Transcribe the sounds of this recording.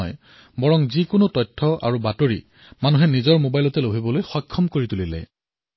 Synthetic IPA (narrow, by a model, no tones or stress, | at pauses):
j | bɔɹɔŋzikʊnotɔjtʰːɔʔa̰ɹubatoɹḭ | manuɦɛnizɔɹmobajlɔtɛlobʱibɔlojxɔkʰːɔmkoɹitulilɛ̰j